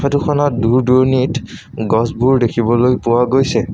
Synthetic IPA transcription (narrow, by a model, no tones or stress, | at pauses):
atukʰɔnɔt̚duɹduɹnit | ɡɔsbuɹdekʰibɔlojpʊwaɡojsɛ